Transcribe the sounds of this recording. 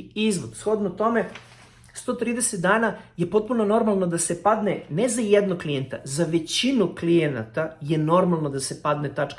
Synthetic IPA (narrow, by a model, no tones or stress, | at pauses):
izʋod̪sxo̞d̪not̪o̞me̞ | st̪o̞t̪ɾiːd̪eset̪̚d̪aːnajepo̞t̪̚punono̞ɾmalˠno̞d̪ase̞pad̪nenezajed̪nokklijent̪a̰zaʋe̞t͡ɕinuklijena̰t̪aje̞no̞ɾmalˠno̞d̪asepad̪net̪at͡ʃk